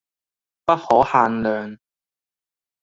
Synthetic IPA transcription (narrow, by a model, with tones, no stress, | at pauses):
pɐ˥t̚hɔː˨˥haː˧nlœː˨ŋ